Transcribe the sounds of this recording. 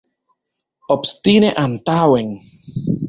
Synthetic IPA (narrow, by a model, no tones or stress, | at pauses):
opst̪ineʔant̪aweŋ